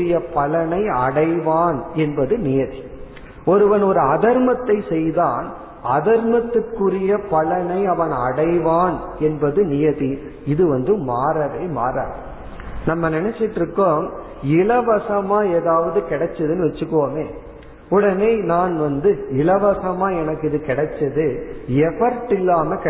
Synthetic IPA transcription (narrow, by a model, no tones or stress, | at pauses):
ɪjɐpɐɭɐnɐɪɐ̰ɽɐɪʋaːnɛnbɐðɯnɪjɐði | ɔɾɯʋɐnɔɾɯɐðɐɾmɐt̪ːɐɪsɛjðaːn | ɐðɐɾmɐt̪ːɯkːɯrɪjɐpɐlɐnɐɪɐʋɐnɐɽɐɪʋaːnɛnbɐðɯnɪjɐði | ɪðɯʋɐnd̪ɯmaːɾɐʋeːma̰ːɾa̰ːɾ | nɐmːɐnɛnɛt͡ʃːɪʈːɾɯkːoːm | ɪɭɐʋɐsɐmaːeːðaːʋɐðɯkɪɽɐt͡ʃːɐðɯnɯʋɛt͡ʃːɯkːʋoːmeː | ʊɽɐneːnaːnʋɐnd̪ɯɪɭɐʋɐsɐmaːɛnɐkːɪðɯkɪɽɐt͡ʃːɐðɯɛʋɐɾʈːɪlːaːmɐk